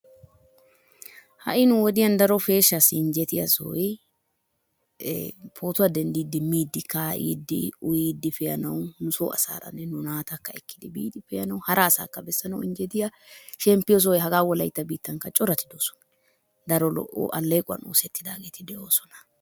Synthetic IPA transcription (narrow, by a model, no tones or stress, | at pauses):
hɐ̰ʔɪnʊwɔd̪ɪjɐnd̪ɐɾɔfe̞ːʃːɐsɪɪɲd͡ʒɛt̪ɪjɐso̰j | pʰo̞ːt̪ʊɐd̪ɛnd̪iːd̪ːɪmːiːd̪ːɪkaːʔḭːd̪ːɪ̰ʊjiːd̪ːɪfɛjɐnɐwnʊsoːɐ̰sa̰ːɾɐ̰nːɛnʊnaːt̪ɐkːɐɛkːɪd̪ɪbḭːt̪ɪfɛjɐnɐwhɐɾʔɐːsa̰ːkːɐbɛsːɐnɐwɪnd͡ʒɛt̪ɪja | ʃɛmpːɪjɔs̬ɔjɦɐɡaːwɔlɐjt̪ːɐbiːt̪ːɐŋkːɐt͡ʃʼɔɾɐt̪ːɪd̪o̞ːsɔ̥nɐ̥ɐ | d̪ɐɾɔlɔ̰ʔo̰ːʔɐlːeːkʼʊɐ̰no̰ːsɛt̪ːɪd̪a̰ːɡeːt̪ɪd̪ɛʔo̞ːsɔnɐ̥